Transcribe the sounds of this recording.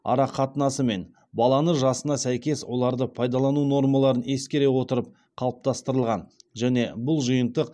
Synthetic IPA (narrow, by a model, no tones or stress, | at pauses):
ɑ̰ɾɑqʰɑt̪ənɑsəme̞n | bɑlˠɑnəʒɑsənɑsæjkʲe̞swo̞lˠɑɾd̪əpʰɑjd̪ɑlˠɑnuno̞ɾmɑlˠɑɾəne̞skʲe̞ɾe̞wo̞t̪əɾəp̚ | qʰɑlˠəp̚t̪ɑst̪əɾəlˠʁɑnʒæne̞bʊlˠʒʊjənt̪əq